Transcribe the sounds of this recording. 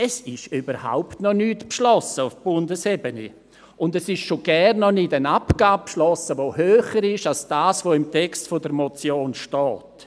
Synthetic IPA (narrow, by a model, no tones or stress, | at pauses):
ɛsɪʃybəɾha̰ʊptnɔnyːtpʃlɔsəufb̥ʊndəsɛbənḭ | ʔʊndɛsɪʃʃoɡ̥ɛnːɔnidənapɡ̥aːppʃlɔsəvoːhøːχəɾɪʃalsd̥aːsvoɪmtɛkstfodəɾmot͡sjoːnʃtɔːt